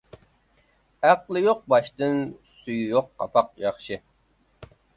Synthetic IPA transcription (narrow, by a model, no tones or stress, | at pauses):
æqlˠɨjoq̚bɑʃt̪ɨnsujjoqːɑ̰pʰɑq̚jɑχʃɨ